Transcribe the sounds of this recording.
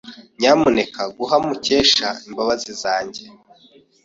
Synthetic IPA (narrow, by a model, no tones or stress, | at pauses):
ɲaːmune̞kaɡuɦamuce̞ːʃaimbaβazizaːɲɟe̞